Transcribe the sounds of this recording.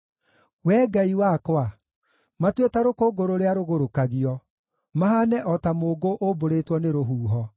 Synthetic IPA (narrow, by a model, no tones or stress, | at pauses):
wɛːɡaiwakwa | matwetaɾokoɡoɾoɾeaɾoɣoɾokaɣiɔ | mahanɛʔɔtamoːɡoʔoboɾetwɔneɾoɦuːɦɔ